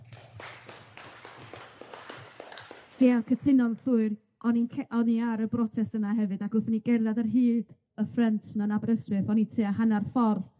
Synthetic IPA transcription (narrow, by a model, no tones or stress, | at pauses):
heːalkʰəθɪnɔlˠθuɨr | ɔninkʰɛʔɔniaɾəbrɔtʰɛsənaɦɛvɨdakʊθəniɡɛrðadərɦɨːd̥ | əfrɛntʰnanabaɾəsrɨθɔnitʰɨːaɦanarfɔrl